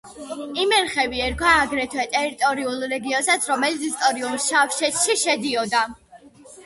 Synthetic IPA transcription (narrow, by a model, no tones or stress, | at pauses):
imɛɾχɛviɛɾkʰwaːɡɾɛt̪ʰwɛt̪ʼɛɾit̪ʼɔɾiulˠɾɛɡiɔnsat̪sʰɾɔmɛlit̪sʰist̪ʼɔɾiulsʃafʃɛt̪ʃiʃɛd̪iɔd̪a